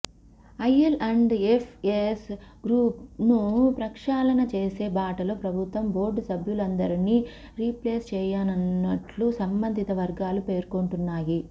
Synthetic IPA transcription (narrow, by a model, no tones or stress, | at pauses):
ɐjelʔɐɳɖepʰesɡɾuːpnupɾɐkʂaːlɐnɐt͡ʃeːse̞ːbaːʈɐloːpɾɐbʱut̪ʋɐmbo̞ːɾɖsɐbʱjulɐnd̪ɐɾini | ɾipleːst͡ʃɛːjaːnɐnːɐʈlusɐmbɐnd̪ʱit̪ɐʋɐɾɡaːlupe̞ːɾkoɳʈunːaːji